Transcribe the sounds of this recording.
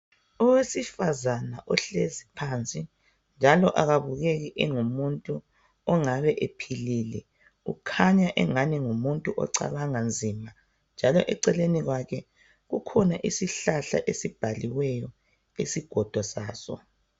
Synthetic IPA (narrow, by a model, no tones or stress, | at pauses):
ɔwesifazanaʔɔɬezipʰant͡sʼi | nd͡ʒʱalɔʔaɣaβuɣeɣiʔɛŋumuntʼu | ɔŋaβɛʔepʰililɛ | ṵkʰaɲaʔɛ̰ŋaniŋumuntʼuʔɔ̰ǀa̰βaŋand͡zʱima | nd͡ʒʱalɔʔɛǀɛleniɣwakʰɛ | ɣukʰɔnaʔisiɬaɬa̰ʔesib̥ʱaliwɛjɔ | isiɡ̥ʱɔd̥ʱɔsaːsɔ̰